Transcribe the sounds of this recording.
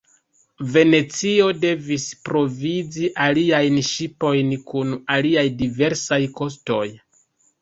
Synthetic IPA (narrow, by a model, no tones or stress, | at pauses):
ve̞ne̞t͡sio̞de̞vispɾo̞vid͡ziʔaliajnʃipo̞jnkunaliajdive̞ɾsajko̞s̬to̞j